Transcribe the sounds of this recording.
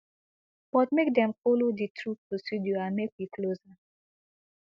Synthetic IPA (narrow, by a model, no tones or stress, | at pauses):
b̥ɔtmekdɛ̃mfoloditʰɹupɹosiduãnmek̚wikʰloza